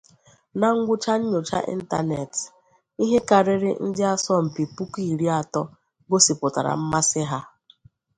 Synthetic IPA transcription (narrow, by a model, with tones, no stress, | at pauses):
na˨ŋ̩˦ɡʷʊ˦t͡ʃa˦ɲ̩˦ɲo˨t͡ʃa̰˦ʔḭ˦n̩˦ta̰˦ne˨t | i˦ɦe˦ka˨ɾɪ˦ɾɪ̰˦n̩˦dɪ˦a˦sɔ˦m̩˨pi˨pu˦ki˦˨ɾi˦a˨tɔ˦ | ɡo˦si˨pʊ˨ta˨ɾa̰˨m̩˦ma˦sɪ˦ɦa˦